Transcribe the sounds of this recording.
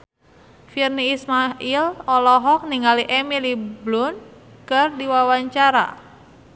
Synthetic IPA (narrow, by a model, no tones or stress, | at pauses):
firniːsmaʔilɔlɔɦɔk̚niŋaliʔemiliblʊn | kɨrdiwawaɲt͡ʃaɾa̰